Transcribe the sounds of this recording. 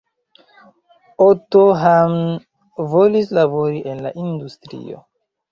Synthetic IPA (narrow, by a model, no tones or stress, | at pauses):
otoɦam | volislabo̞ɾiʔenla̰ʔindustɾḭo̰